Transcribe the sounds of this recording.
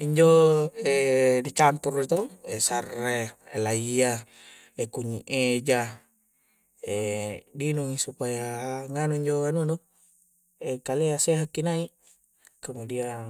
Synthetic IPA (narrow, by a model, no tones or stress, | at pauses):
iɲd͡ʒoɛdit͡ʃampurit̪oesareelaia | ekuɲiʔed͡ʒa | edinuŋisupajaŋanuɲd͡ʒoanunɔ | ekaleaseɦakːinai | kamudia